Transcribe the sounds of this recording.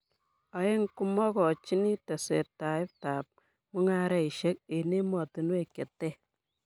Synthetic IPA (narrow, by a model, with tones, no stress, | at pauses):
a˨je˦ŋku˦mɔ˦kɔ˨t͡ʃi˦ni˦ta˨sḛ˨ta˨ɪ˦p̚ta˨p̚ | mu˦ŋa˦ɾe˦i˨ʃe˦k̚e˨ne˦mɔ˨ti˨nu˦e˦˨ke˨tːe˦˨